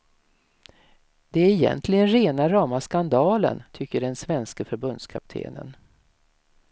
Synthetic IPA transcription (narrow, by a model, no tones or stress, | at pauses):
d̪ɛæɾɪjɛ̰nt̪ʰlɪɡənɾeːnaɾɑːmaskand̪ɑːlə̰nt̪ʰʏkːəɖɛnsvɛnskəfœɾbɵnd̪skʰap̚t̪ʰḛːnə̰n